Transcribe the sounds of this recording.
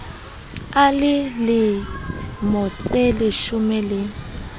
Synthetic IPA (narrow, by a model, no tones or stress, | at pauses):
alɪlɪ | mʊt͡sʼelɪʃʊmɛlɪ